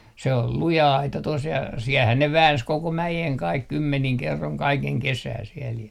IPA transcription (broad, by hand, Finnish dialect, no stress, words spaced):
se ol lujɑ ɑitɑ tos jɑ siɛlhæn ne ʋæːns koko mæjeŋ kɑik kymːeniŋ kerːoŋ kɑikeŋ kesæː siɛl jæ